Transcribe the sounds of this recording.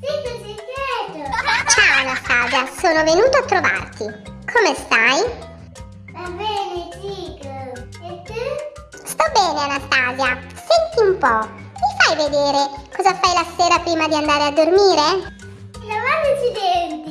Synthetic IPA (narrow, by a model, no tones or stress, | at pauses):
t͡ʃikosikjɛt̪ot͡ʃawnast̪aːzjasoːnovenuːt̪oat̪ːɾova̰rt̪ikʰomest̪aj | vabɛːnet͡ʃiːko | et̪ːu | st̪ɔbːɛːneanast̪aːvja | sɛnt̪iumpɔ | mifajved̪eːɾekɔzafajlaseːɾapɾiːmad̪iand̪aːɾead̪ːormiːɾe | navanit͡ʃid̪ɛnt̪i